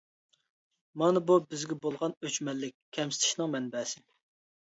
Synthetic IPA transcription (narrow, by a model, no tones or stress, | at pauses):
mɑnɨbubɪzɡʲɛbolˠʁɑnøt͡ʃmɛlːɪk̚ʲkʲʰːɛmsɪt̪ʰɪ̥ʃnɨŋmɛnbɛːsɪ